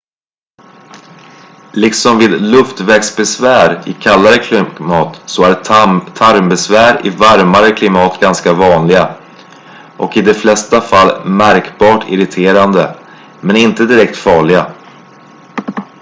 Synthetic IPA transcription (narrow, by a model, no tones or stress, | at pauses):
lɪksɔmviːd̪lɵft̪vɛɡksbɛsvæːɾɪkʰalːaɾəkʰlɪmɑːt̪sɔæɖt̪ʰːaɾmbɛsvæːɾɪvaɾmaɾəkʰlɪmɑːt̪ɡanskavɑːnlɪɡa | ʔɔkɪd̪ɛflɛst̪afalːmæɾkbɑːʈʰɪ̰ɾɪt̪ʰeːɾand̪ə | mɛnɪnt̪əd̪ɪɾɛk̚t̪fɑːɭɪɡa